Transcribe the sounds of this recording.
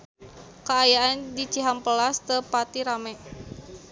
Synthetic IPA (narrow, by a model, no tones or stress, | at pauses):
kaajaʔandit͡ʃiɦampəlast̪əpat̪iɾamɛʔ